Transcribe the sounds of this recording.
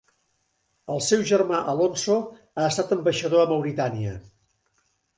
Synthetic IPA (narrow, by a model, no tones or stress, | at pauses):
əlˠsɛwʒərmaʔəlonso | aəst̪at̪əmbəʃəðoəməwɾit̪aniə̰